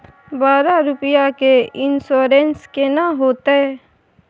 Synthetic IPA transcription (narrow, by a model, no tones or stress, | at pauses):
baːɾaɾʊpjakeɪnsoːɾẽnskenaɦoːt̪eɛː